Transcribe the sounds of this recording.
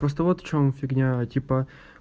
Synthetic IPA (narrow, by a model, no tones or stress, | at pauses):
pɾost̪əvot̪ft͡ɕomfʲɪɡnʲatʲipə